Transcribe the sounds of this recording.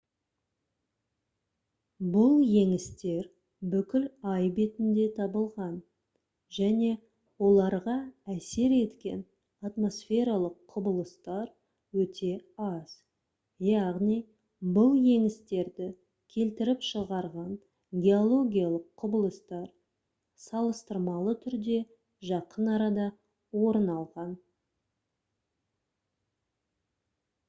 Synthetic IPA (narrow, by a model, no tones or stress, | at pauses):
bʊlˠje̞ŋɪst̪e̞ɾ | bʏkʲɪlɑjbe̞t̪ɪnd̪e̞t̪ʰɑbəlˠʁɑn | ʒæne̞ | wo̞lˠɑɾʁɑæse̞ɾe̞t̪kʲe̞̰n | at̪mo̞sfʲe̞ɾalˠəqʰːʊbəlˠəst̪ɑɾ | wɵt̪ʰe̞ɑz̥ | jɑʁnij | bəlˠje̞ŋɪst̪e̞ɾd̪ɪ | kʲʰe̞lt̪ɪɾɪpʃəʁɑɾʁɑn | ɡʲe̞o̞lˠo̞ɡʲijalˠəqʰːʊbəlˠəst̪ɑɾ | sɑlˠəst̪əɾmɑlˠət̪ʰʏɾd̪e̞ | ʒɑqənɑɾɑd̪ɑ | wo̞ɾənɑlˠʁɑn